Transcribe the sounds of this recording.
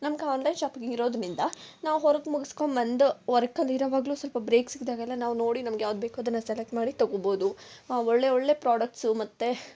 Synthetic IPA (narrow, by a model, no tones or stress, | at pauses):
nɐmɐɡeaːnlɐjnʃaːpiɡŋɡiɾo̞ːd̪nind̪ɐnaːʋɦɔɾɐɡmuɡisko̞ɳbɐnd̪ʋɐɾɐkɐliɾɐʋaːɡɐluːsɐlpɐbɾeːksiɡd̪aːɡɛlːɐnaːʋno̞ːɽinɐmɐɡejaːʋd̪̚beːkoːd̪ɐnːɐselek̚ʈmaːɽit̪ɐɡoboːd̪uɔɭːe̞ɔɭːe̞ːpɾaːɖɐk̚ʈsumɐt̪ːe